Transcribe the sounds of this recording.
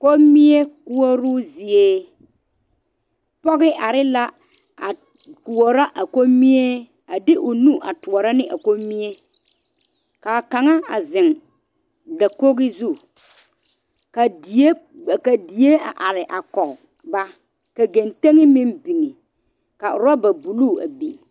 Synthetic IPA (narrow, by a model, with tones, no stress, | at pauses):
ko˦mi˦e˦ku˦ɔ˦ɾʊ˦zɪ˨eː˦ | pɔ˦ɣɪ˦ʔa˨ɾɪ˦la˦ | a˨ | ku˨o˨ɾa˦ʔa˨ko˦mi˦e˦ | a˨dɪ˦ʔʊ˨nũ˦ʔa˨tʊ˨ɔ˨ɾa˦nɪ˦ʔa̰˨ko˦mːi˦e˦ | ka˨ka˨ŋa˦a˨zɪ˨ŋ | da˨ko˦ɣɪ˦zu˦˨ | ka˨de˦˨ka˨di˨e˦a̰˨ʔa˨ɾɪ˨ʔa˨kɔ˨ | ba˦ | ka˨ɡe˨nte˦ŋɪ˦mɪ̃˦mbi˨ŋe˨ | ka˨ʊ˨ɾa˦ba˨bu˨luː˦˨a̰˨bḭ˨